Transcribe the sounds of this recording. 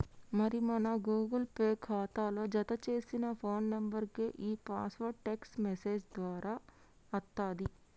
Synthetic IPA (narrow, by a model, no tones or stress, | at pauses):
mɐɾimɐnɐɡuːɡɐlpeːkʰaːt̪aːloːd͡ʒɐt̪ɐt͡ʃe̞ːsinɐpʰo̞ːnːɐmbɐɾkeːʔiːpaːsʋɐʈeksmɛse̞ːd͡ʒd̪ʋaːɾaː | ɐt̪ːaːd̪i